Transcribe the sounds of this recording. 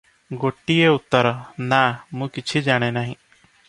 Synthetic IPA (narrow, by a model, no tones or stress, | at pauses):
ɡoʈijeut̪ːəɾɔnamũkit͡ʃʰid͡ʒaɽ̃enaɦĩ